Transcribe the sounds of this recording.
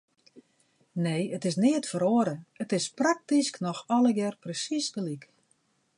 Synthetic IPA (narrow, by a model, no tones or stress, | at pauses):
neːətɪsnɪətfəɾoəɾəətɪsprak̚tisknɔxɔləɡɛrprəsisdəlik